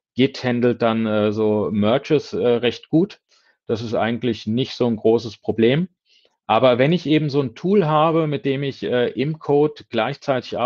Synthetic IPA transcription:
ɡ̥ɪthɛndl̩t̚d̥anɛːzoːmœɐt͡ʃəsɛːʁɛçt̚ɡ̥uːt | d̥asɪstʔa̰ɪɡŋ̩tlɪçnɪçtz̥oːnɡʁoːsəspʁ̥obleːm | ʔaːbɐvɛnɪçʔeːbm̩zoːntʰuːlɦaːbəmɪt̚d̥eːmɪçʔɛːʔɪmkʰoːtɡ̥laɪçt͡saɪtɪçʔa

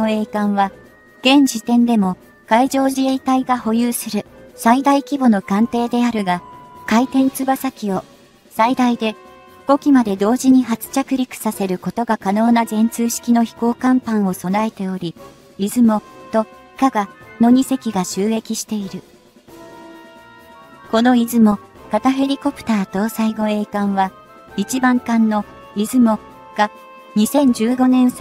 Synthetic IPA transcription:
oe̞ːkãɰ̃βa | ɡ̥ẽ̞ɲd͡ʑit̪ẽ̞nd̪e̞mo̞ | kaiʑo̞ːʑie̞it̪aiɡaho̞jɯːsɨɾɯ̟said̪aikʲibo̞no̞kãnt̪e̞ːd̪e̞aɾɯ̟ɡakait̪ẽ̞nt͡sɨbasakʲio̞ | said̪aid̪e̞ | ɸko̞kʲimad̪e̞d̪o̞ːʑiɲ̟iɦat͡sɨ̥t͡ɕakɯ̟ɾʲikɯ̟̥sase̞ɾɯ̟ko̞t̪o̞ɡakano̞ːnazẽ̞nt͡sɨːɕi̥kʲino̞çi̥ko̞ːkãmpãɰ̃o̞so̞nae̞t̪e̞o̞ɾʲi | izɨmo̞t̪o̞ikaɡano̞ɲ̟ise̞kʲiɡaɕɨːe̞kʲiɕi̥t̪e̞iɾɯ̟ | ko̞no̞izɨmo̞kat̪aɸe̞ɾʲiko̞pɯ̟̥t̪aːt̪o̞ːsaiɡo̞e̞ːkãɰ̃βa | it͡ɕibãŋkãnːo̞ | izɨmo̞ | ɡ̥a | ɲ̟isẽ̞ɲ̟d͡ʑɨːɡo̞nẽ̞ɰ̃s

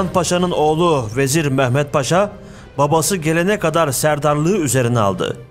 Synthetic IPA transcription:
npaʃanɯno̞ːlˠuve̞ziɾmɛçmɛt̪̚pʰaʃa | babasɯɟe̞lʲe̞nɛkad̪aɾsæɾd̪aɾlˠɯːyze̞ɾinɛa̰lˠd̪ɯ̰

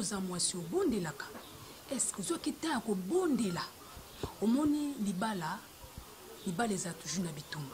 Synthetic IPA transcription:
ozamwasiobondelakḁ | ɛskozoakitajakobondela | omɔnilibala | libalezatu̥ʒunabitumba

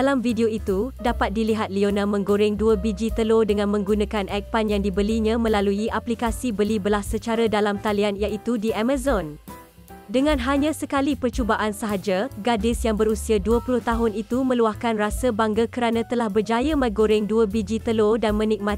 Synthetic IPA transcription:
alamvideoit̪udapat̪̚diliɦat̪̚lionãmə̃ŋɡoɾɪŋduəbid͡ʒit̪əlodəŋãnmə̃ŋɡunãkanʔɛk̚panjaŋdibəliɲãmə̃laluiʔaplikasibəlibəlahsət͡ʃaɾadalamt̪alianjaʔit̪udiʔamazɔn | dəŋãnɦaɲãsəkalipərt͡ʃubaʔansəɦad͡ʒaɡadɪsjaŋbəɾusiaduəpulʊht̪aɦʊnit̪umə̃luahkanrasəbaŋɡakəɾanãt̪əlahbərd͡ʒajamãɡoɾɪŋduəbid͡ʒit̪əlodanmə̃nik̚mã

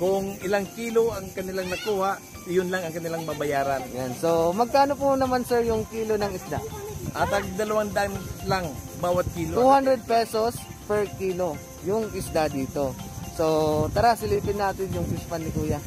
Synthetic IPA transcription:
kʊŋɪlaŋkiːloɐŋkɐnɪlaŋnɐkuːhaʔ | jʊnlaŋɐŋkɐnɪlaŋmɐbɐjaːɾanjansomɐɡ̚kaːnopʊnɐmansɛɹjʊŋkiːlonɐŋɪsd̪a̰ʔat̪ɐɡ̚d̪ɐlɐwand̪ʔanlaŋ | baːwat̪̚kiːlot̪uhand̪ɾɛd̪̚pɛsos | pɛɹkiːlo | jʊŋɪsd̪ad̪iːt̪o̞sot̪ɐɾasɪliːpɪnːaːt̪ɪnjʊŋsɪspanːɪkuːja

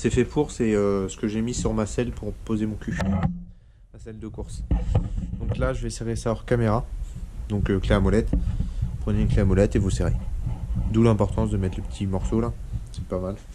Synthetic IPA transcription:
sɛfɛpʰuʁsɛøsə̥kəʒemisyʁmasɛlpʰuʁpozemɔ̃kʲʰy | masɛld̪əkuʁs | d̪̥ɔ̃klaʒəvɛseʁesaɔʁkameʁad̪ɔ̃køkleamɔlɛt̪pχənenkleamɔlɛt̪evuseʁḛ | d̪ulɛ̃pɔʁt̪ɑ̃s̬d̪əmɛt̪ləpə̥t̪ʰimɔʁsola | sɛpamal

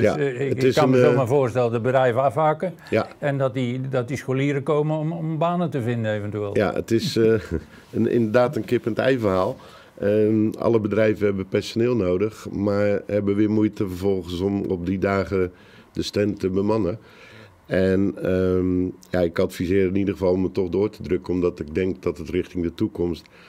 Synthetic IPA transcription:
djaətɪskːanməzomavoːrstɛlədəbədrɛjvəafhakə | jaɛndɔtdidɔt̚diskoliːəɾəkoːməɔmɔmbaːnətəvɪndənejvəntyeːlˠja̰ə̰tɪs | əɪ̰ndərdaːtənkɪpəntɛ̰jvəraːlˠ | əɑ̰ləbədrɛjvəɦɛbəpɛrsonɪːlˠnoːdəxmaɹɦɛbəʋɪːmujtəfərvɔlˠɣənsɔmɔp̚didaːɣə | dəstɛntəbəmanə | ɛnəjaɪkɑtfizɪːɾɪnidəɣəvɑlˠɔmətɔxdoːrtədrøkəɔmdɔtɪɡ̚dɛŋk̚dɔtətrɪxtɪŋdətukɔmst

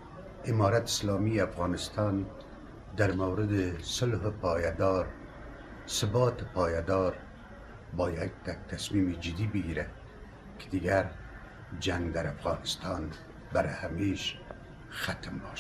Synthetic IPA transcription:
ɪmɑːɾat̪ɪ̥slɑmiafɣɑːnɪst̪ɑn | d̪aɾmawɾɪd̪ɪsʊlɦpɑːjad̪ɑɾ | sɪbɑt̪pʰɑːjad̪ɑɾ | bɑːjad̪ːak̚t̪asmimid͡ʒɪd̪ibɪɡiɾa | kʰɪ̥d̪iɡaɾ | d͡ʒaŋɡd̪aɾafɣɑːnɪst̪ɑːn | baɾhameʃ | xat̪mbɑːʃ

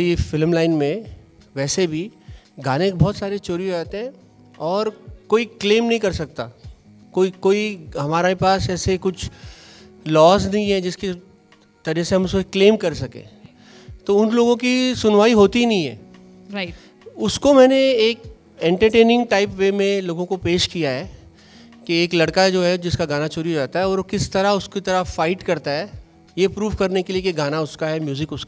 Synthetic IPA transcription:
ɾifɪlmlaːɪnmẽʋɛːsebʱiɡaːnẽkbɔːt̪saːɾet͡ʃoːɾijod͡ʒaːt̪eɦɛ̃ | ɔːɾkoːikleːmnɐɦĩkɐɾsɐk̚t̪a̰ | koːikoːiɦɐmaːɾepaːsɛːsekʊt͡ʃʰ | lɔːs̬nɐɦĩɦɛ̃d͡ʒɪske | t̪ɐɾikseɦɐmʊskokleːmkɐɾsɐkḛ̃ː | t̪oːʊnloːɡõkisʊnʋaːiɦoːt̪inɐɦĩɦɛ̰ː | ʊskomɛːneeːk | ɛ̃ːɳʈəɾʈeːnɪ̃ŋɡʈaːɪpʋeːmẽloːɡõkopeːʃkijaɦɛː | keeːklɐɽkad͡ʒoːɦɛd͡ʒɪskaɡaːnat͡ʃoːɾiɦod͡ʒaːt̪aɦɛɔːɾkɪst̪ɐɾaʊskit̪ɐɾafaːɪʈkɐɾt̪aɦɛː | jepɾuːʋkɐɾnekeliekeɡaːnaʊskaɦɛmjuːzɪkʊska

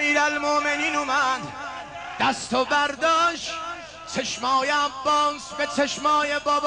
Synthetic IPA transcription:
iːɾælmoʔmeniːnumæd̪ | d̪̥æst̪ʰobæɾd̪ɒːʃ | t͡ʃʰeʃmɑːjeæbːɒːsbet͡ʃʰeʃmɒːjebɒːb

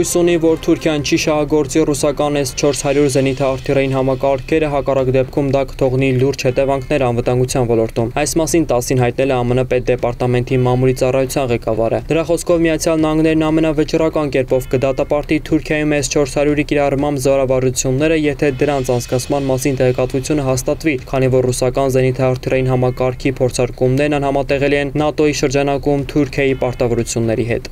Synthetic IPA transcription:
ujsunivɔɾt̪ʰuɾkʰjɑnt͡ʃʰiʃɑɦɑɡɔɾt͡sirusɑkɑnɛst͡ʃʰɔɾshɑɾjuɾzɛnit̪ʰɑːɾt̪ʰirɑjinɦɑmɑkɑɾkʰɛɾəɦɑkɑrɑkd̪ɛp̚kʰumd̪ɑkə̥t̪ʰɔʁniluɾd͡ʒhɛt̪ɛvɑŋkʰnɛɾɑnvət̪ɑŋɡut͡sʰjɑnvɔlɔɾt̪umɑjsmɑsint̪ɑsinɦɑjt̪n̪ɛlɛɑmənəpɛt̪̚d̪ɛpɑɾt̪ɑmɛnt̪imɑmulit͡sɑrɑjut͡sʰjɑnʁɛkɑvɑɾə̰d̪əɾɑχɔskʰɔvmiɑt͡sʰjɑlnɑhɑŋɡnɛɾnɑmɛnɑvət͡ʃrɑkɑnkɛɾpɔvkəd̪ɑt̪ɑpɑɾt̪it̪ʰuɾkʰjɑjumɛzt͡ʃʰɔɾshɑɾjuɾikiɾɑrmɑmbzɔɾɑvɑɾut͡sʰjunːɛɾəjɛt̪ʰɛd̪əɾɑnt͡sʰɑnt͡sʰkɑt͡sʰmɑnmɑsint̪ɛʁɛkɑt̪vut͡sʰjunəɦɑst̪ɑt̪vikʰɑnivɔɾːusɑkɑnzɛnit̪ʰɑːɾt̪ʰiɾɑjinɦɑmɑkɑɾkʰipʰɔɾt͡sʰɑɾkumnɛɾnɑnhɑmɑt̪ɛʁɛliɛnːɑt̪ɔjiʃəɾd͡ʒɑnɑkumt̪ʰuɾkʰjɑjipɑɾt̪ɑvɔɾut͡sʰjunːɛɾiɦɛ̰t̪

